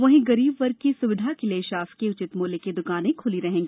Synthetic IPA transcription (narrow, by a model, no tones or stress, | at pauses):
ʋɐɦẽɡɐɾiːbʋɐɾ̚kisʊʋɪd̪ʱakeleʃaːskeʊt͡ʃɪt̪moːleked̪ʊkaːnẽkʰʊliɾɐɦẽːŋɡiː